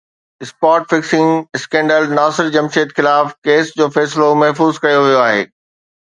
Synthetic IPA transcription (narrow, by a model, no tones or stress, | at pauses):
ɪspaːʈfɪksɪ̃ŋɪskɛ̃ːɳɖəlnaːsɪɾd͡ʑɐmʃeːt̪xɪlaːfkeːsd͡ʑoːfɛːsɪlomɐɦfuːzkɐjoʋijoaːɦḛː